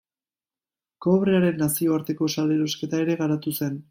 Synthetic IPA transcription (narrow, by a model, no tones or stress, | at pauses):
ko̞βɾe̞aɾe̞nːasio̞aɾt̪e̞ko̞sale̞ɾo̞ske̞t̪ae̞ɾe̞ɣaɾat̪use̞n